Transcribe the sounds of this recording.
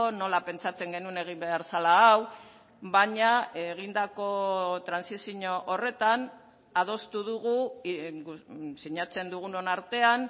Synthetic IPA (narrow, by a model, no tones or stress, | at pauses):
ono̞lape̞nt͡sat͡se̞ŋɡe̞nune̞ɣ̞imbe̞aɾsalaːw | baɲaeɣ̞ind̪ako̞t̪ɾansisiɲo̞ʔore̞t̪an | að̞o̞st̪uðuɣu | siɲat͡se̞nd̪uɣ̞uno̞naɾt̪e̞an